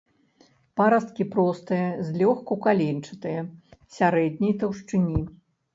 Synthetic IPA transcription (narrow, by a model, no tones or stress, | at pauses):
paɾɐst̪̚kʲipɾɔst̪ɨjɐzʲlʲɔxkukalʲent͡ʂɨ̥t̪ɨjɐsʲaɾɛd̪ʲnʲɐjt̪ɐwʂt͡ʂɨnʲi